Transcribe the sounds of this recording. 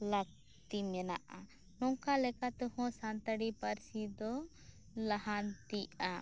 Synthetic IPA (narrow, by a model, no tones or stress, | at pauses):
lak̚ | t̪imɛnaʔa | nɔŋkalɛkat̪ɛhɔ̃sant̪aɽipaɾsid̪ɔ | laɦant̪ia